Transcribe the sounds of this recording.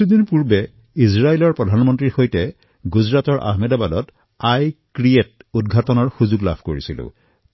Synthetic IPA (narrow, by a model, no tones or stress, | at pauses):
udinpuɹbɛ | izɹaelɔɹpɹɔdʱanmɔntɹiɹxojtɛ | ɡuzɹatɔɹʔa̰ɦmɛdabadɔt | ajkɹiet̚ud̚ɡʱatɔnɔɹxuzuɡla̰bʰʱkoɹisilʊ̰̃